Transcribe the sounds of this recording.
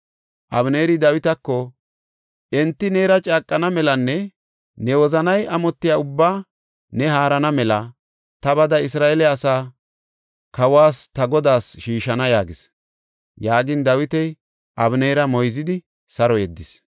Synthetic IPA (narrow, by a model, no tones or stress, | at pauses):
ʔɐbne̞ːɾɪd̪ɐwɪt̪ɐkːɔ | ʔɛnt̪ːɪneːɾɐt͡ʃʼaːkʼːɐnɐmɛlɐnːɛ | nɛwɔzɐnɐjɐmɔt̪ːɪjaʊbːaː | nɛɦaːɾɐnɐmɛlɐ | t̪ɐbɐd̪ɐɪs̬ɾaːʔɛlɛɐsaː | kɐwaːst̪ɐɡɔd̪aːsʃiːʃɐnɐjaːɡɪs | jaːɡɪnd̪ɐwɪt̪ɛj | ʔɐbneːɾɐmɔjzɪd̪ɪ | sɐɾɔjɛd̪ːɪs